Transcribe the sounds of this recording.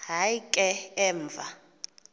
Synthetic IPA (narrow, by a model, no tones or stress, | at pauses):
ɦaikʼɛɛːɱvʱa